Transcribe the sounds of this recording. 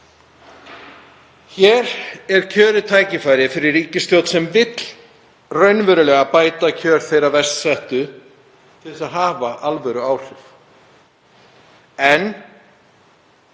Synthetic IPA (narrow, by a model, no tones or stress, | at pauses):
çɛːɾɛɾ̥cʰœːɾɪt̪ʰaːjcɪfaːjɾɪfɪɾɪɾːiːcɪst̪jowt̪sɛmvɪt̪l̥ | rœɥnvœːɾʏlɛɣapaːjt̪acʰœːɾ̥θejɾavɛst̪sɛht̪ʏ | t̪ʰɪɪsaðɦaːvaʔalvɛɾʏaːwr̥ɪf | ɛn